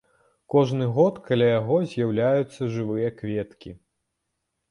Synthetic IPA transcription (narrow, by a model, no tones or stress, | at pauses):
kɔʐnɨɣɔt̪kalʲajaɣɔzʲjawlʲajut̪sːɐʐɨvɨjɐkvʲɛt̪kʲḭ